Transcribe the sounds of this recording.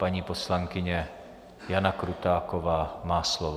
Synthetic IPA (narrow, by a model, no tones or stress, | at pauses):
paɲipɔslaŋkiɲɛ | janakɾut̪aːkɔʋaːmaːslɔʋɔ